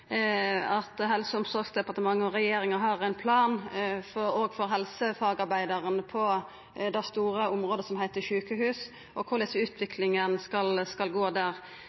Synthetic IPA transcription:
ɑt̪ɦɛlsəʊmsɔɾɡsd̪ɛpɑɾt̪əmɑŋːəɔɾɛjeːɾɪŋəɦɑɾæɪnpʰlɑːnfɔɾɔɡfɔɾɦɛlsəfɑːɡɑɾbæɪd̪ɑɾənpʰɔ | d̪æst̪uːɾəʊmʁoːd̪əsɔmhæɪt̪əʃʉːkəhʉːs | ʔɔkʰʊɾd̪ɪsəʉːt̪ʰʋɪkʰlɪŋənskɑlskɑlɡoːd̪æːʁ

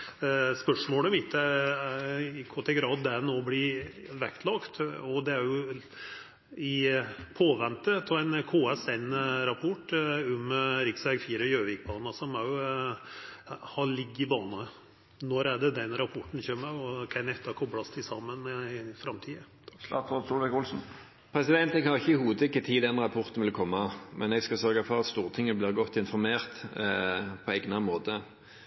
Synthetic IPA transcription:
spœʂmoːləmɪt̪ʰːə | ɪkʰɔt̪ʰɛɡɾɑːd̪ːɛænoːblɪ | ʋɛkt̪ʰlɑkt̪ɔd̪ɛæɾjʊ | ɪpʰoːʋɛnt̪ət̪ʰːɔæɪnkʰoːɛsɛnɾɑpʰɔʈːʊmɾɪksʋæɾɡfiːɾəjøːʋɪk̚bɑːnɑsɔmæɾjʊ | hɑɭɪɡːɪbɑːnɑ | nɔɾæɖɛd̪ɛnɾɑpʰɔʈːn̩çøːmːəɔkʰæɪnɛt̪ːɑkʰɔbɽɑst̪ʰɪsɑmːənfɾɑmt̪ʰiːə | sɑ̰t̪ɑsuʋɛkʊlsn̩ | pʰɾɛsɪd̪ɛnt̪ɛɡhɑɾɪçəɪhuːəd̪ʰɪkːət̪ʰiːd̪ɛnɾɑpʰɔʁt̪ən̩ʋɪlkʰɔmːɑmʔɛnɛɡskɑsœɾɡɑfɔɾɑt̪st̪uːʁt̪ʰɪŋːəəblɪːʁɡɔt̪ːɪnfɔɾmeːʁt̪ | pʰɔɛɡnɑmoːt̪ə

